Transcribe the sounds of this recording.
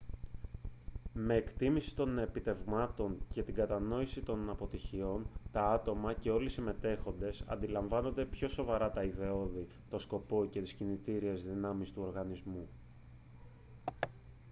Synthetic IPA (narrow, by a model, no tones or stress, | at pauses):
me̞ːkt̪imisi̥t̪o̞ne̞pit̪e̞vmɐt̪o̞ɲce̞t̪iɡɐt̪ɐno̞isit̪o̞nɐpo̞t̪içio̞nt̪ɐɐt̪o̞mɐce̞o̞lisime̞t̪e̞xo̞nd̪e̞sɐ̰nd̪ilɐɱvɐno̞nd̪e̞pço̞so̞vɐɾɐt̪ɐiðe̞o̞ði | t̪o̞sko̞po̞ce̞t̪i̥scinit̪iɾiezðinɐmist̪uo̞ɾɣɐnizmu